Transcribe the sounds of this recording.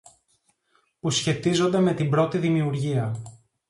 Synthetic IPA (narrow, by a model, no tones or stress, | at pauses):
pusçe̞t̪izo̞nd̪e̞me̞t̪imbɾo̞t̪iðimiuɾʝiɐ